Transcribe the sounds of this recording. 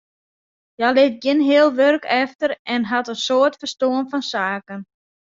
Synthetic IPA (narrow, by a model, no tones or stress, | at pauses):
jalɪt̚ɡɪnɦɪəlˠʋørkʰɛftəɾʔɛnɦatənsoərtfərstoənfɔnsaːkən